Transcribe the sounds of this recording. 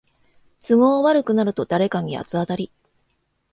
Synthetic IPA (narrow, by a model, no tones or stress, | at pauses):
t͡sɨɡo̞ːβaɾɯ̟kɯ̟naɾɯ̟t̪o̞d̪aɾe̞kaɲ̟ia̰t͡sɨat̪aɾʲi